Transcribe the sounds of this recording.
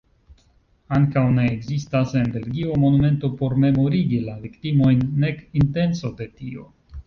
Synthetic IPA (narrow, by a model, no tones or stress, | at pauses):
aŋkawne̞ːɡzistase̞nbe̞lɡio̞mo̞nume̞nto̞po̞ɾme̞mo̞ɾiɡilaviktimo̞jnːe̞kinte̞nso̞de̞tio̞̰